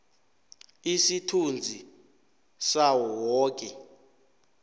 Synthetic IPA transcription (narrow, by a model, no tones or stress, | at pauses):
isitʰund͡zʱi | sawɔwɔːk̬ʼɛ